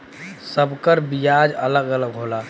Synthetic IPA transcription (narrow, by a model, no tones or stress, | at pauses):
səbkəɾbijad͡ʒələɡələɡɦola